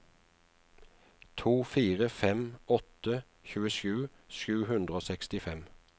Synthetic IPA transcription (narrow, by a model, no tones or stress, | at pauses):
t̪ʰuːfiːʁəfɛmɔt̪ə | çʉːəʃʉː | ʃʉːhʉnd̪ʁəoːsɛkst̪ɪfɛm